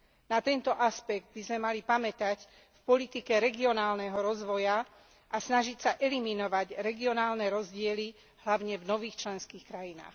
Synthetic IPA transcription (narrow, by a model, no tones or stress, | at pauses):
nat̪ɛnt̪ɔʔaspɛɡ̚d̪̚bizmɛmalipamɛt̪ac | fpɔlit̪ikɛɾɛɡiɔnaːlnɛɦɔɾɔzʋɔja | ʔasnaʒicsaʔɛliminɔʋaɟɾɛɡiɔnaːlnɛɾɔzɟɪɛli | hlaʊɲɛvnɔʋiːxt͡ʃlɛnskiːxkɾajina̰ːx